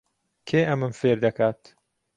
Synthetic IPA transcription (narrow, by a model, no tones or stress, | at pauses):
kʰeːʔɐmɨmfeːɾd̪ɐkʰaːt̪